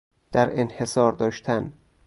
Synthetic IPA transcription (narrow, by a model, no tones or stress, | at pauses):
d̪̥æɾenhe̞sɒːɾd̪ɒːʃt̪ʰæn